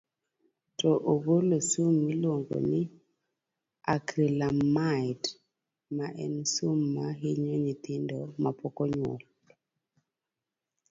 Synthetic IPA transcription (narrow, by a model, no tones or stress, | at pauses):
tɔʔoɡolosumːilwoŋɡo̰nɪ | akɾilamaɪd | maʔɛnsumːaɦɪɲoɲɪt̪ɪndɔmapɔkɔɲwɔ̰l